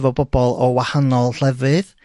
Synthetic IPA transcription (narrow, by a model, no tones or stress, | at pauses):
vɔbɔbɔlˠɔwahanɔlˠɬɛvɨð